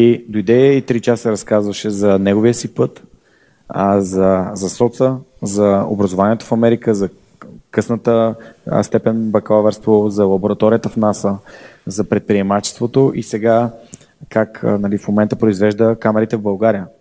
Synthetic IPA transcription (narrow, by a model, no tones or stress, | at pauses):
id̪ojd̪ɛit̪ɾit͡ʃassɛɾɐskazvəʃɛzɐnɛɡoviəsipɤt̪ | zɐzɐsɔt̪səzɐo̰bɾɐzovaniɛt̪o̥fɐmɛɾikəzɐ | kɤsnət̪ə̰st̪ɛpɛnbɐkavɛɾst̪vozɐlˠɐboɾɐt̪ɔɾijət̪əfnasəzɐpɾɛt̪̚pɾiɛmat͡ʃɛ̥st̪vot̪oʔisɛɡa | kaknɐlifmomɛnt̪əpɾoizvɛʒd̪əkamɛɾit̪ɛvbəlˠɡaɾijə